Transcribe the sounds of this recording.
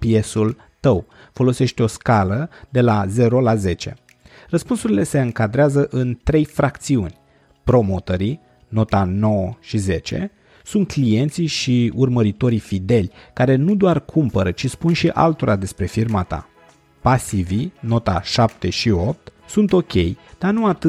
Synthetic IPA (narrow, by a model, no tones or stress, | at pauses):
pje̞sul | t̪əw | fo̞lo̞se̞ʃt̪eo̞skaləd̪e̞laze̞ɾo̞laze̞t͡ʃe̞̰ | rəspunsuɾile̞se̞ɨŋkad̪ɾeazəʔɨnt̪ɾe̞jfɾakt̪siunʲ | pɾo̞mot̪əɾi | no̞t̪ano̞wəʃize̞t͡ʃe̞̰ | sunt̪̚klije̞nt̪siʃiurməɾit̪o̞ɾifid̪e̞lʲkaɾe̞nud̪oarkʰumpəɾət͡ʃispunʃiʔa̰lt̪o̞ɾʔad̪e̞spɾe̞firmat̪a̰ | pasivino̞t̪aʃap̚t̪e̞ʃio̞p̚t̪ | sunt̪o̞kʲe̞̰jd̪̥anuat̪ɨ